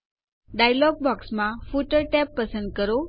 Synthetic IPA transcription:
ɖajlɔɡ̚bɔksmafuʈəɾʈɛpːəsənd̪̚kəɾo

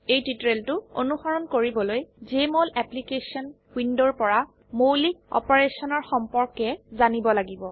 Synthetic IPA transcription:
ejtitɹeltʊo̰nuxɔɹɔnkoɹibɔlojzemolɛplikesiɔn | windɔɹpɔɹa | mowlikɔ̰pɔɹesɔnɔɹxɔmpɔɹkɛzanibɔlaɡibɔ

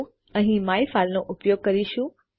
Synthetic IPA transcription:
ə̃ɦĩmaifalnoʔʊpjoːɡ̚kəɾiʃũ

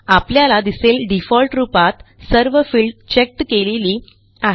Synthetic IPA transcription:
apljalad̪iselɖifɔlʈɾupat̪səɾʋəfilɖt͡ɕek̚ʈkeleliː | aɦ

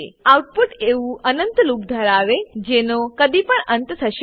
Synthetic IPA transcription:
eawʈ̚puʈeũʔənənt̪luk̚d̪ʱəɾaʋed͡ʒenokəd̪ipəɳənt̪t̪ʰəʃ

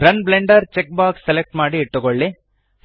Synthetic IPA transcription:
ɾɐnbleɳɖɐɾt͡ʃek̚baːksːelek̚ʈmaːɽiːʈːukoɭːi

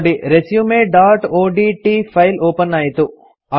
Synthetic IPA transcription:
ɖiɾesjumeːɖaːɾʈoːɖiːʈiːfʰɐɪloːpɐnːaːjt̪u | ɐ

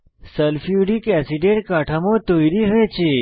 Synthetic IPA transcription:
səlfjuɖikɛsiʈẽʈkaʈʰamõt̪ojɾiɦəʋet͡ʃʰe

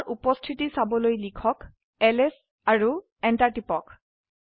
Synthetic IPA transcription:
ʔupɔstʰitisabɔlojlikʰɔk | ɛlɛs | aɹu | ɛntaɹʈipɔk

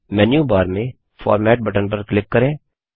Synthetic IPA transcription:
mɛːnjuːbaːɾmẽ | fʰɔ̰ːɾmɛːʈ̚bəʈə̃ɳbəɾklɪkːəɾẽː

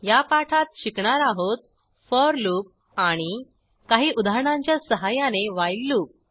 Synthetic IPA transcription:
japaʈʰat̪̚ɕikɳaɾaɦot̪̚ | fəɾluːp̚ | aɽ̃i | kaɦiːʔud̪ʱaɾɳãɲt͡ɕjasəɦajaneʋajlːuːk̚

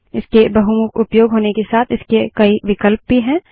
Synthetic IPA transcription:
ɪskebɐɦumʊkʊpjoːɡɦoːnekesaːt̪ʰɪskekɐiʋɪkəlp̚bʱiɦɛ̃ː

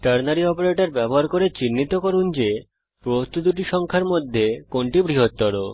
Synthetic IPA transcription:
ʈaɾnaɾiɔpeɾeʈaɾbɛboɦaɾkoɾet͡ɕinːit̪okoɾund͡ʑe | pɾost̪ud̪uʈ̬iʃɔŋkʰaɾmod̪ʱːekoɳʈibɾiɦot̪ːɔɾo

